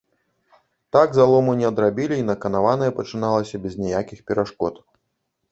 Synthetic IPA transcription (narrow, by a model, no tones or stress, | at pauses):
t̪aɡzalˠɔmunʲɛɐd̪ɾabʲilʲiːnɐkɐnavanɐjɛpɐt͡ʂɨnalˠɐsʲɐbʲɛznʲajakʲixpʲɛɾaʂkɔt̪